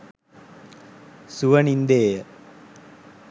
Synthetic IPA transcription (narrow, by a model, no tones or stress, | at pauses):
suʋɐnind̪eːjə